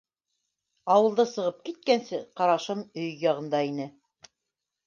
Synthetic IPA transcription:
ɑwɤ̆lˠd̪ɤsɤ̆ʁɤp̚kit̪̚kænsɘqɑɾɑʃɤmɵjjɑʁɤ̆nd̪ɑinɘ

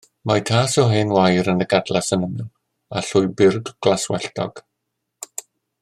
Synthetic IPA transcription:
majtʰaːsɔɦeːnwajɾənəɡadlˠasənəmɪlˠ | aɬʊɨbɪrɡɡ̥laswɛɬtɔ̰ɡ̥

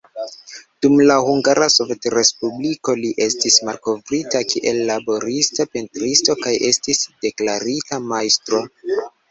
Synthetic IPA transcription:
d̥umlahuŋɡaɾasove̞tɾe̞spubliko̞liʔe̞stismalko̞vɾitakʰiʔe̞lːabo̞ɾistape̞ntɾisto̞kaje̞stisd̥e̞klaɾitamajstɾo̞

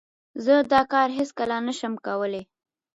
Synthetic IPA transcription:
zəd̪ɑkɑɾɦeskəlanəʃəmkawəle

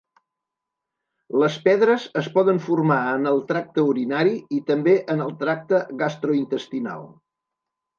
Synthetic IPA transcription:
ləspɛðɾəzəspɔðəɱfurmaənəlˠt̪ɾak̚t̪əuɾinaɾiit̪əmbeʔənəlˠt̪ɾak̚t̪əɣast̪ɾuint̪əst̪ina̰lˠ

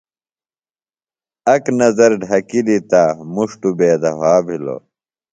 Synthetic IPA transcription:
ɐknɐzɐɾɖʱɐkilit̪aːmuʂʈubeːd̪ɐɦaːbʱilo̰

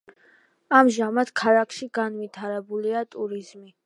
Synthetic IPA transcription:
amʒamat̪kʰaɾakʰʃiɡanvit̪ʰaɾɛbuliat̪ʼuɾizmi

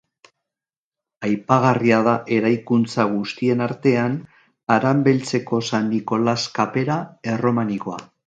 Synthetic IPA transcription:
ajpaɣ̞ariað̞aʔe̞ɾajkunt͡saɣ̞ust̪ie̞naɾt̪e̞an | aɾambe̞lt͡se̞ko̞sanːiko̞laskape̞ɾae̞ro̞maniko̞a

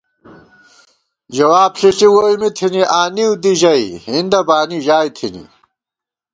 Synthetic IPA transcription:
d͡ʑɐwaːbɬiɬiwoːjmit̪ʰiniʔaːniwd̪iʑɐihind̪ɐbaːniʑaːjt̪ʰinḭ

